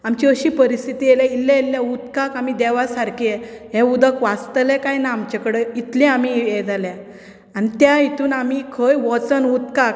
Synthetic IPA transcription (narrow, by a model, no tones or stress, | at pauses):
amt͡ɕiəɕiːpəɾist̪ʰit̪ijelailːãilːjaut̪kakam̤id̪ɛʋasaɾkieɦɛ̃ud̪əkʋast̪əlɛkajnaamt͡ɕakəɽəit̪lĩamijɛd͡zalɛ | anit̪jait̪uːnamikʰəjʋɔt͡sənut̪kak̚